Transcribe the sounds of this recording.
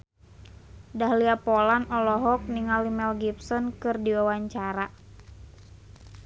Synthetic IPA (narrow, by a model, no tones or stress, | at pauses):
daɦliapɔlanɔlɔɦɔk̚niŋalimɛlɡipsɔnkɨrdiwawaɲt͡ʃaɾa